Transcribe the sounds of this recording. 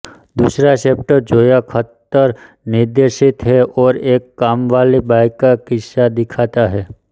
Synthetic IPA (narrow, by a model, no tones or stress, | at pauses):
d̪uːsɾaseːp̚ʈəɾd͡ʒoːjakʰət̪ːəɾ | nɪɾd̪eːɾʃɪt̪ɦɛʔɔːɾeːkːaːmʋaːlibaːɪkːakɪsad̪ɪkʰaːt̪aɦɛː